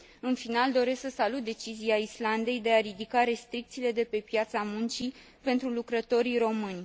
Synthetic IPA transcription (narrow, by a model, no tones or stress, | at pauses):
ɨnfinald̪o̞ɾe̞sksəsalut̪̚d̪e̞t͡ʃiziaisland̪e̞jd̪e̞aɾid̪ikaɾe̞st̪ɾik̚t̪siːle̞d̪e̞pe̞pjat̪samunt͡ʃi | pe̞nt̪ɾulukɾət̪o̞ɾiro̞mɨnʲ